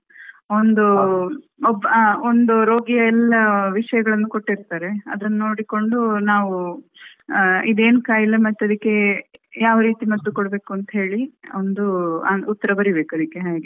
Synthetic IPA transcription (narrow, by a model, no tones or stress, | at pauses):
ond̪u | obond̪uɾo̞ːɡijɐɛlːɐʋiʂɐjɐɡɐɭɐnːuko̞ʈːiɾt̪aːɾe̞ɐd̪ɐnːɐno̞ːɽiko̞ɳɖunaːʋu | id̪e̞ːnukaːjilːɐmɐt̪ːeɐd̪ikːe̞jaːʋɐɾiːt̪imɐd̪d̪ukoɽbe̞ːkuɐnt̪ɐɦe̞ːɭiond̪uɐut̪ːɐɾɐbɐɾibe̞ːkuɐd̪ikːe̞ɦaːɡe